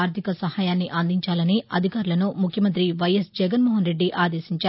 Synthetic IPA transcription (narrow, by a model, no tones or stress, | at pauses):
aːɾt̪ʰikɐsɐhaːjaːnːiʔɐnd̪iɲt͡ʃaːlɐniɐ̰d̪ʱikaːɾulɐnumukʰjɐmɐnt̪ɾiʋɐjɐsd͡ʒɛɡɐnmɔːɦɐnɾe̞ɖːiʔaːd̪e̞ːsiɲt͡ʃaː